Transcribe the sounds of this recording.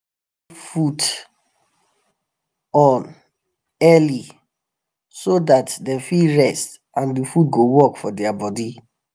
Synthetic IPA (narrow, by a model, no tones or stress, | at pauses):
fut | ɔ̃n | ɛli | sodatdɛ̃mfiɹɛst | ãndufut̚ɡowɔkfɔdɛabɔdi